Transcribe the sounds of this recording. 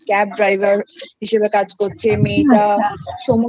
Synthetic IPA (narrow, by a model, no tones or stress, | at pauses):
kɛp̚ɖɾajbʱaɾɦiʃebekad͡ʑkoɾt͡ɕʰemiʈaʃomu